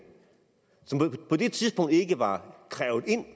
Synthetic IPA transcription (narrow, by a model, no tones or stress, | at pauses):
sɒ̽mpʰɒ̽d̥e̝t͡sʰiðˠsb̥ɔ̽ŋ̰d̥e̝ɡ̥əʋɑ̈kʰʁɛːʊð̩ˠe̝n̰